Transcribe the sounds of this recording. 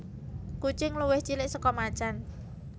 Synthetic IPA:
kut͡ʃɪŋluwɪht͡ʃilɪʔsɔkɔmat͡ʃan

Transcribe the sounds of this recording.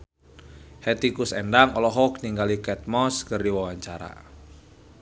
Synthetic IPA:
hɛt̪ikusɛndaŋɔlɔɦɔkniŋɡalikɛt̪̚mɔskɨrdiwawaɲt͡ʃaɾa̰

